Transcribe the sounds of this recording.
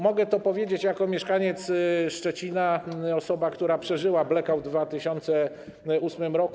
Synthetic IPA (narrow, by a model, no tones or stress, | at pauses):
mɔɡɛt̪ɔpɔvʲjed͡ʑet͡ɕjakɔmʲjɛʂkaɲɛt̪sʂt͡ʂɛt͡ɕinaɔsɔbakt̪uɾapʂɛʐɘwablɛkavd̪vat̪ɘɕɔnt̪sɛ | usmɘmɾɔk